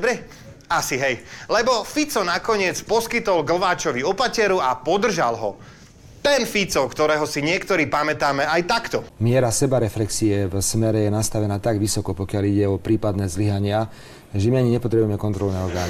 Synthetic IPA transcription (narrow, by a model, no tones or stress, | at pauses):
ɔbɾɛ | asiɦɛjlɛbɔfit͡sɔnakɔɲɪɛt͡spɔskit̪ɔlɡl̩ʋaːt͡ʃɔʋiɔpacɛɾuapɔd̪r̩ʒa̰lɦɔ̰ | t̪ɛnfit͡sɔkt̪ɔɾɛːɦɔsiɲɪɛkt̪ɔɾiːpamɛt̪aːmɛajt̪akt̪ɔmɪɛɾasɛbaɾɛflɛksiɛvsmɛɾɛjɛnast̪aʋɛnaːt̪aɡʋisɔkɔpɔkɪaliɟɛɔpɾiːpad̪nɛːzliɦaɲɪa | ʒɛmiaɲiɲɛpɔt̪ɾɛbujɛmɛkɔnt̪ɾɔlnɛːɔɾɡaːni